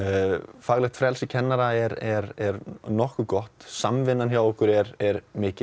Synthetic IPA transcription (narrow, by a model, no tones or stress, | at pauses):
faːɣlɛxt̪fɾɛlsɪcʰɛnːaɾaɛɾɛɾɛɾnɔhkʏkɔht̪samvɪnːançjawɔhkʏɾɛɾɛɾmɪːcɪ